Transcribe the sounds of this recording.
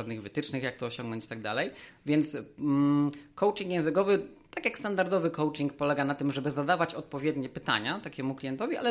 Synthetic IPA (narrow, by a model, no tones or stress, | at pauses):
ad̪nɘɣvɘt̪ɘt͡ʂnɘxjak̚t̪ɔɔɕɔ̃ŋɡnɔ̃ɲt͡ɕt̪aɡ̚d̪a̰lɛjvʲjɛnt̪s | kɔwt͡ʂiŋkjɛ̃nzɘkɔvɘt̪akjakst̪and̪aɾd̪ɔvɘkɔwt͡ʂiŋk̚pɔlɛɡanat̪ɘmʐɛbɘzad̪avat͡ɕɔt̪̚pɔvʲjɛd̪ɲɛpɘt̪a̰ɲat̪akʲɛmuklʲijɛnt̪ɔvʲiʔa̰lɛ